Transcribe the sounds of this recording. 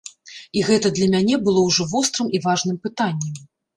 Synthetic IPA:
iɣɛt̪ɐd̪lʲɐmʲanʲɛbɨlˠɔwʐɔvɔst̪ɾɨmʔivaʐnɨmpɨt̪anʲːɛm

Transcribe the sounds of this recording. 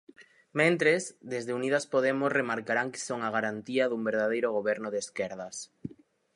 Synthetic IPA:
mẽnt̪ɾezd̪ezðeunið̞aspoðemʊsremaɾkaɾaŋkɪ̥soŋaɣ̞aɾant̪iɐðumbeɾð̞aðejɾʊɣ̞oβɛɾnʊðeskɛɾðɐs

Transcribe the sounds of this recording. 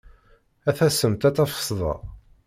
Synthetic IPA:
æθæsəmt̪æt͡sːæfə̥sˤðˤɑ̰

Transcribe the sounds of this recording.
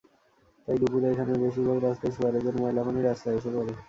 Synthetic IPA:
t̪ajd̪upuɾaekʰanebeʃiɾbʱaɡɾast̪ajsuaɾed͡ʑonmɔɦlakaniɾast̪aeʃebɔɾe

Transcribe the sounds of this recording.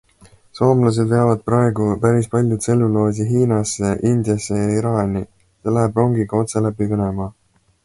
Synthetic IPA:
so̞ːmlɑs̬e̞d̪ve̞ɑvɑd̪̥̚prɑe̞ɡupæɾispɑlʲjud̪̥se̞lːulo̞ːs̬iɦiːnɑsːe̞ʔind̪jɑsːejɑiɾɑːnʲi | se̞læɦebro̞ŋɡiɡ̥ɑo̞t̪se̞læpivenemɑ

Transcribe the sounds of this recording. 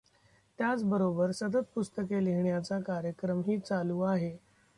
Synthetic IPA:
t̪jat͡sbəɾobəɾsət̪ət̪̚pust̪əkeliɦɳjat͡sakaɾjəkɾəmɦiːt͡saluːaɦe

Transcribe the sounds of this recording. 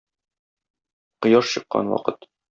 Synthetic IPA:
qŏjɑʃɕɤ̆qːɑ̰nwɒ̰qɤt̪

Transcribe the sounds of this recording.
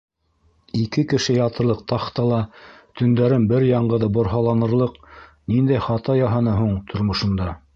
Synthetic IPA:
ikɘkɘ̆ʃɘjɑt̪ɤ̆ɾlˠɤq̚t̪ɑχt̪ɑlˠɑt̪ɵ̆nd̪æɾɘnbɘɾjɑɴɢɤ̆ðɤbŏɾɦɑlˠɑnɤ̆ɾlˠɤqnind̪æjχɑt̪ɑjɑɦɑnɤɦuɴt̪ʰŏɾmŏʃɤ̆nd̪ɑ

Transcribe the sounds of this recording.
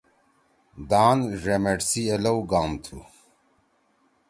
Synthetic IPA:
d̪aːnʐemeʈsielɐwɡaːmt̪ʰu

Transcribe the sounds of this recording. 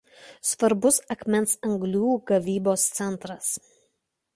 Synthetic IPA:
sʋɐɾbʊsɐkmʲɛnsɐŋɡlʲuːɡɐʋʲiːboːst̪sʲɛnˑt̪ɾɐs

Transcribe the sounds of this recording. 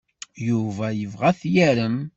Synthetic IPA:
juvæjəvʁæθjæɾəm

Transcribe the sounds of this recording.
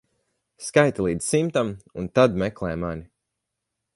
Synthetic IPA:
skajt̪alˠiːd̪zsimt̪amunt̪ad̪mɛklˠɛjmanʲi

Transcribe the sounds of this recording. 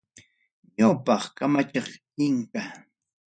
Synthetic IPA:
ɲawpɑχkamat͡ʃɑχ | ɪŋka

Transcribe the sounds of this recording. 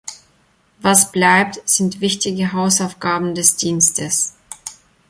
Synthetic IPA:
vasb̥laɪp̚tz̥ɪntv̥ɪçtɪɡəɦaʊsaʊfɡ̥aːbm̩dɛsd̥iːnstʰəs

